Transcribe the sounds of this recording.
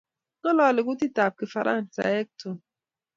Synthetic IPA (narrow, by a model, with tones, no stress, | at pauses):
nɔ˦lɔ˨lɪ˨ku˦ti˦ta˨p̚ke˨fa˨ɾa̰˦n̩˨ta̰˨˦e˦k̚to˨